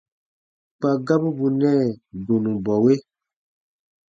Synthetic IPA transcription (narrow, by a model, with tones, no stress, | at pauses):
k͡pa˨ɡa˦bu˦bu˨nɛ̃˦˨do˨nũ˨bɔ˨we˦